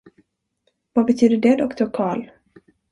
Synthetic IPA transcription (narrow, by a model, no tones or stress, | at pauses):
vabɛt̪ʰyːd̪əɖɛd̪ɔkt̪ʊɾkʰɑːɭ